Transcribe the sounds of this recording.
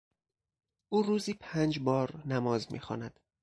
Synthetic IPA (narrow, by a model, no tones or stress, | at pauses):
ʔuːɾuːziːpʰænd͡ʒbɒːɾnæmɒːzmḭːxɒ̰ːnæd̪̥